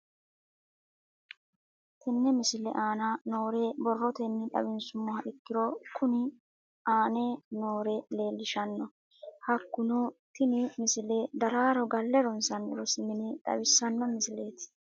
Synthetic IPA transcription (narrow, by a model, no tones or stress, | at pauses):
t̪ʰɛnːɛmɪsɪlɛ̰ʔaːnɐno̞ːɾebɔrːɔt̪ɛnːɪᶑ̪ɐ̰bɪnsʊmːɔhɐʔɪkːɪɾɔkʊnɪ | ʔaːneno̞ːɾɛle̞ːlːɪʃɐnːɔ | hɐkːʊnɔt̪ɪnɪmɪsɪlɛd̪ɐɾaːɾɔɡɐlːɛɾɔnsɐnɪ̰ɾɔsɪmɪnɪᶑ̪ɐ̰bɪsːɐnːɔmɪsɪle̞ːt̪